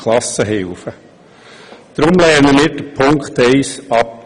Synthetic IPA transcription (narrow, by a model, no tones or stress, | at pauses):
lɑsəɦɪlfə | d̪̥ɾʊmlɛnəmɪːɾd̥əpʰʊŋktɛɪsɑp̚